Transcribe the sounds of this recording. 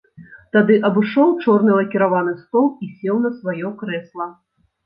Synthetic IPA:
t̪ad̪ɨʔɐbɨʂɔwt͡ʂɔrnɨlˠɐkʲiɾavanɨst̪ɔlˠisʲɛwnɐsvajɔkɾɛslˠɐ

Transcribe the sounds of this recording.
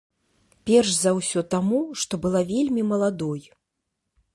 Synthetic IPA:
pʲɛrʂzawsʲɔt̪amuʂt̪ɔbɨlˠavʲelʲmʲimɐlˠad̪ɔj

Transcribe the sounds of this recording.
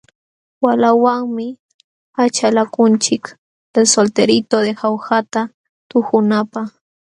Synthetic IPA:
walawaŋmɪ | at͡ʃalakʊnt͡ʃɪk | d̪̥elsolt̪eɾɪt̪od̪exawxat̪a | t̪ʊxʊnapaχ

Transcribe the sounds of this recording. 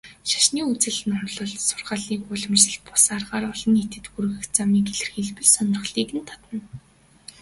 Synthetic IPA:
ʃḁʃniːut͡sɘ̆ɮɘ̆nʊnɮɞ̆ɮsʊ̥rʁaːɮiːkʊɮɞ̆mt͡ɕɮɘ̆ɮ̚pʊ̥sarʁaːɾɔɮɞ̆net̪ɘ̆t̪xuɾ̆ɣɘ̆xt͡samiːkeɮɘ̆rxiɮpɘ̆ɮsœnɪ̆r̆χɮiːkɘ̆nt̪ʰɔ̥t̪ə̆n

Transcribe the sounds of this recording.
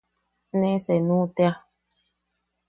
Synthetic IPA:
nɛsɛnũtɛa

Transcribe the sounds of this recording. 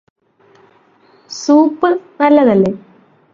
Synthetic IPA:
suːpːɨnɐlːɐðɐlːe̞

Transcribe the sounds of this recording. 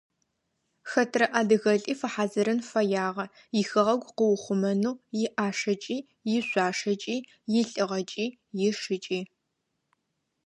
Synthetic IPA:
xɐtʰrɐʔaːdɨɣɐɬʼiːfɐħaːzɨɾɨnfɐjaːʁɐ | jɪxɐʁɐɡʷqəwʊχʷʊmɐnuːjɪʔaːʂɐt͡ʃʼiː | jɪɕʷaːʂɐt͡ʃʼiː | jɪɬʼɨʁɐt͡ʃʼiː | jɪʂɨt͡ʃʼiː

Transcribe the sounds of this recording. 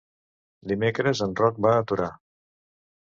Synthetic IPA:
d̪imekɾəzənrɔk̚baːt̪uɾa

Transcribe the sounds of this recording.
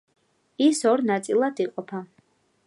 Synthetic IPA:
isɔɾnat̪sʼilˠad̪iqʼɔpʰa

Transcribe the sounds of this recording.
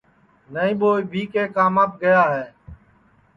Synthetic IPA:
nəĩːɓoːiːbʱiːkeːkʰaːmaːp̚ɡəjaːɦɛː

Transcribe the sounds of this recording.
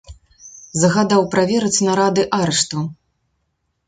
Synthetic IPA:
zɐɣad̪awpɾavʲɛɾɐt͡sʲnɐɾad̪ɨʔaɾɛʂt̪u

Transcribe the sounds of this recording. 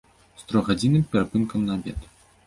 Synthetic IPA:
st̪ɾɔɣad͡zʲinɨmpʲɛɾapɨnkɐmnɐbʲɛ̰t̪

